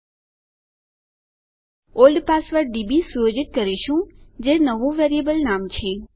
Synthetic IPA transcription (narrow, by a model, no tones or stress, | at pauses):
olɖpasʋəɾɖibisujod͡ʒɪʈ̪̚kəɾiʃũd͡ʒenəʋũʋeɾiəbəlnamt͡ʃʰe